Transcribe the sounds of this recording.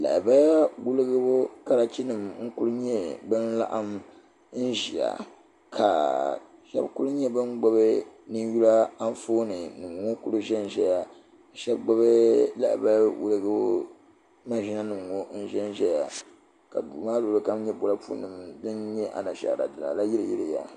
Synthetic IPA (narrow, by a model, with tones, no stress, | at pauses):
la̰˨ba˦ja˦wu˦lɨ˦ɡɨ˦bo˦ka˦ɾa˨t͡ʃi˦nɨ˨mŋ̩˦kʊ˦ɾɨ˦ɲɛ˦bɨ˦nla̰˦ʔa˦m | n̩˦ʒi˨a̰˨ | kʰa˨ʃɛ̰˦bku˦lɲɛ˦bɨ˦nɡ͡bɔ˦be˦nɨ˦n˦ju˦la˦a˦n˦foː˦nɨ˨nɨ˨ŋ˨ŋo˦ku˦ɾɨ˦ʒɛ˦n˨ʒɛ˦ja˨ | ʃɛ˦bɡ͡bo˦be˦la̰˦ʔba˦wṵ˦lɨ˦ɡɨ˦bo˦ | ma˦˨ʒi˦na˦nɨ˨m˨o˦n̩˦ʒɛ˦n˦ʒɛ˦ja˨ | ka̰˨du˨maː˦lo˨lɨ˨ka˦m˦ɲɛ˦bo˨la˦pṵ˦nɨ˨mdɨ˦nɲɛ˦ʔa̰˨na˨ʃa̰˨a̰˨dɨ˨la̰˨la˦ji˦ɾɨ˨ji˦ɾɨ˨ja̰˨